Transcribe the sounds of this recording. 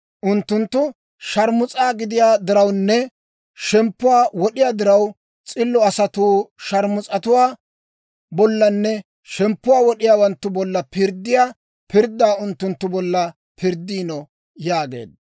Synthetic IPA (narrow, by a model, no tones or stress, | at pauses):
ʔʊnt̪ːʊnt̪ːʊ | ʃɐɾmʊt͡sʼaːɡɪd̪ɪjaːd̪ɪɾɐwnːɛ | ʃɛmpːʊwaːwɔɗɪjaːd̪ɪɾɐw | t͡sʼɪlːɔɐsɐt̪uːʃɐɾmʊt͡sʼɐt̪ʊwaː | bɔlːɐnːɛ | ʃɛmpːʊwaːwɔɗɪjaːwɐnt̪ːʊbɔlːɐpɪɾd̪ːɪjaː | pɪɾd̪ːaːʊnt̪ːʊnt̪ːʊbɔlːɐ | pɪɾd̪ːiːnɔ | jaːɡḛːd̪ɐ